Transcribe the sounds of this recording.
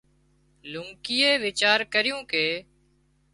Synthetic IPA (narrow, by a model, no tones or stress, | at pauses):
lʊŋkiːeːʋɪt͡ʃaːɾkəɾɪjũːkeː